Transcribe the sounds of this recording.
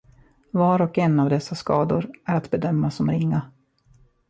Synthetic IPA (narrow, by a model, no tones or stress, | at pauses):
vɑːɾɔkɛnːavd̪ɛsːaskɑːd̪ʊɾæɾat̪bɛd̪œmːasɔmɾɪŋːa